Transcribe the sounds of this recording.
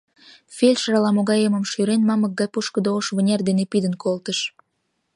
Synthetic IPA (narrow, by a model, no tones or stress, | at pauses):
fʲelʲʃɾɑlɑmoɣɑjemə̆mʃyɾenmɑmək̚ɡɑjpuʃkə̆d̪ooʃβə̆nʲerd̪enepid̪ənkolt̪əʃ